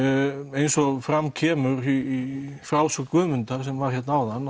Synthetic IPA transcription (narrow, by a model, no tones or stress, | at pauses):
ejnsɔɣfɾamcʰɛːmʏɾiifɾawsʏkvʏːmʏnt̪aɾ̥s̬ɛmvaɾ̥çɛt̪nawðanː